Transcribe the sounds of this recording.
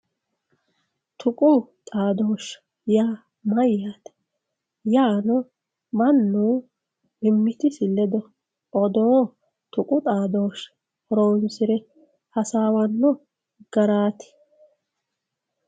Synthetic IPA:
t̪ʰʊkʼʊt̪ʼaːd̪o̞ːʃ | jaː | mɐjːat̪ɛ̥ | jaːnɔ | mɐnːuː | ɪmːɪt̪ɪsɪlːɛd̪ɔ | ʔɔd̪oː | t̪ʊkʼʊt̪ʼaːd̪oːʃ | ɔɾoːnsɪɾɛ | hɐsaːwɐnːɔ | ɡ̥ɐɾaːt̪ɪ̥

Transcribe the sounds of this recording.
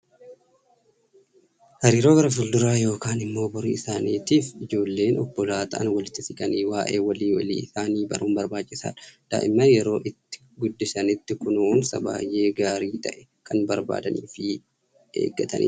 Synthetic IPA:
hɐɾiːɾo̞ːɡɐɾɐfʊld̪ʊɾaːjo̞ːkaːnɪmːo̞ːbʊɾḭːɪsaːniːt̪iːfɪd͡ʒo̞ːlːe̞ːnɔbːɔlaːt̪ɐʔɐ̰nwɐlɪt̪ːɪsɪkʼɐniːwaːʔe̞̰ːwɐliːwɐlḭːɪsaːniːbɐɾuːmbɐɾbaːt͡ʃʼːɪsa̰ːᶑɐ̥d̪̥a̰ːʔɪmːɐjɛɾo̞ːʔɪt̪ːɪ̥ | ɡʊd̪ːɪsɐnɪt̪ːɪkʊnuːnsɐ̰ba̰ːjʔe̞ːɡaːɾiːt̪ɐʔɛ̥ | kʰɐnbɐɾba̰ːd̪ɐniːfɪ | ḛːɡːɐt̪ʰɐ̰nʔɪ̰

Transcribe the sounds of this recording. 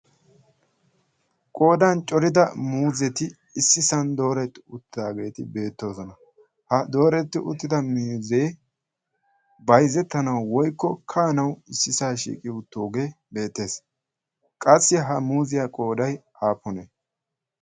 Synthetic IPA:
kʼo̞ːd̪ɐnt͡ʃʼɔɾɪd̪ɐmuːzɛt̪ɪ | ɪsːɪsɐnd̪o̞ːɾɛt̪ːɪʊt̪ːɪd̪aːɡe̞ːt̪ɪbe̞ːt̪ːo̞ːzɔnɐ | hɐd̪o̞ːɾɛt̪ːɪʔʊt̪ːɪd̪ɐmiːzeː | bɐjzɛt̪ːɐnɐwːɔjkːɔkʰaːnɐwɪsːɪsaːʃḭːkʼɪʊt̪ːoːɡe̞ː | be̞ːt̪ːe̞ːs | kʼɐsːɪɦɐmuːzɪjakʼo̞ːd̪ɐj | aːpːɔne

